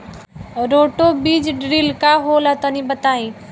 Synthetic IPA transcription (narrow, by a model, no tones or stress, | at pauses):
ɾoːʈobiːd͡ʒɖɾiːlkaɦoːlat̪ənĩbət̪aːĩː